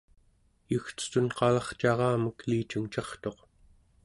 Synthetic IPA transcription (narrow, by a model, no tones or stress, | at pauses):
juxt͡sə̥t̪unqɑlɑχt͡ʃɑʁɑːməkliːt͡ʃuŋt͡ʃɑχt̪o̞q